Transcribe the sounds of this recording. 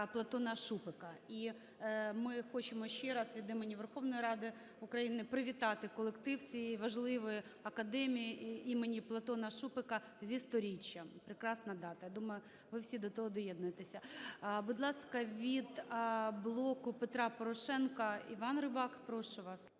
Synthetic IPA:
plˠɐt̪ɔnɐʃupɪkɐi | mɪxɔt͡ʃɪmɔʃt͡ʃɛɾɑsʋʲid̪imenʲːiʋerxɔwnɔjiɾɑd̪ɪ | ʊkɾɐjinɪpɾɪʋʲit̪ɑt̪ɪkɔlˠekt̪ɪwt͡sʲijʋɐʒlˠɪʋɪjɐkɐd̪ɛmʲijiʔimenʲiplˠɐt̪ɔnɐʃupɪkɐ | zʲist̪ɔɾʲit͡ʃʲːɐpɾɪkɾɑsnɐd̪ɑt̪ɐjad̪umɐjʊ | ʋɪwsʲid̪ɔt̪ɔɦɔd̪ɔjɛd̪nʊjet̪esʲɐbʊd̪lˠɑskɐʋʲid̪blˠɔkʊpet̪ɾɑpɔɾɔʃɛnkɐḭʋɑnrɪbɑkpɾɔʃʊʋɑs

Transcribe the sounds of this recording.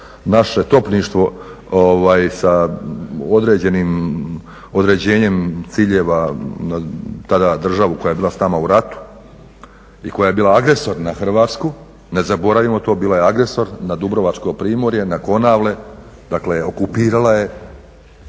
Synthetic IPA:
naʃe̞t̪o̞pniʃt̪ʋo̞ | oʋaːjsa | od̪ɾe̞ːd͡ʑe̞niːm | o̞d̪ɾe̞d͡ʑe̞ːɲe̞mt̪siːʎe̞ːʋanat̪ad̪ad̪r̩ʒaʋukojaje̞biːlˠasnaːmauɾat̪u̥ | iko̞jaje̞biːlˠaaɡɾe̞so̞ɾnaxr̩ʋaːt̪sku | ne̞zabo̞ɾaʋimo̞t̪o̞ːbiːlajeaɡɾe̞so̞ɾnad̪ubɾo̞ʋat͡ʃko̞pɾiːmo̞ɾje̞nako̞naːʋle̞ | d̪̥akleo̞kupiːɾalaje̞

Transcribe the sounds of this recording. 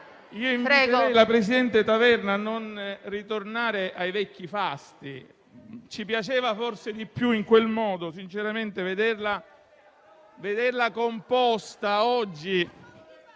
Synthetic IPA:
iːoiɱvɾɛɡoɛjlapɾesid̪ɛnt̪et̪avɛrnaːnːonrit̪ornaːɾeʔajvɛkːifast̪i | t͡ʃipjat͡ʃeːvaforsed̪ipːjuiŋkwelmɔːd̪osint͡ʃeɾament̪eved̪erla | ved̪erlakompɔst̪aɔd͡ʒːi

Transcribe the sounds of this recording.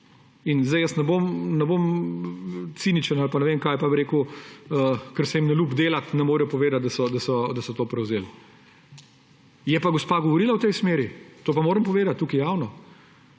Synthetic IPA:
inzd̪ɛjəsnɛbomnɛbom | t̪siːnit͡ʃənalpanɛʋeːmkaːjpabiɾeːkuəkəɾsɛimnɛluːbd̪eːlat̪nɛmoːɾjɔpɔʋeːd̪at̪̚d̪ɐsɔd̪asɔd̪ɐsɔt̪oːpɾɛwzeːl | jɛpaɡospaːɡɔʋɔɾiːlawt̪ɛjsmeːɾit̪oːpamoːɾəmpɔʋeːd̪at̪̚ːuːkijaːwnɔ

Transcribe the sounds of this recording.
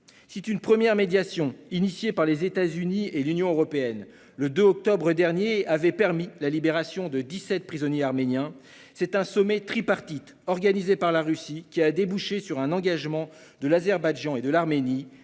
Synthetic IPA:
sit̪ynpχəmjɛʁmed̪jasjɔ̃inisjepaʁlezet̪azynielynjɔ̃øʁɔpeɛn | ləd̪øɔk̚t̪ɔbʁəd̪ɛʁnjeavɛpɛʁmilalibeʁasjɔ̃d̪əd̪isɛt̪̚pχizɔnjeaʁmenjɛ̃ | sɛt̪ɛ̃sɔmɛt̪χipaʁt̪it̪ | ɔʁɡanizepaʁlaʁysikʲiad̪ebuʃesyʁɛ̃nɑ̃ɡaʒmɑ̃ | d̪əlazɛʁbaʒɑ̃ed̪əlaʁmeni

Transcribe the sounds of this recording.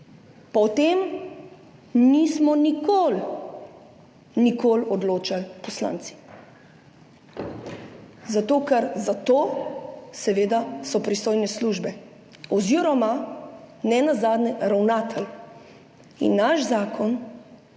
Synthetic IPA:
pɔt̪em | nismɔnikoːl | nikoːlɔd̪loːt͡ʃalpɔsla̰ːnt̪si̥ | zat̪oːkɛɾzat̪oː | sɛʋeːd̪asɔpɾist̪oːjnɛsluːʒbɛ | ɔziɾɔma | nɛnazaːd̪nɛɾawnaːt̪ʰɛl | ḭnːaʃzaːkʰɔn

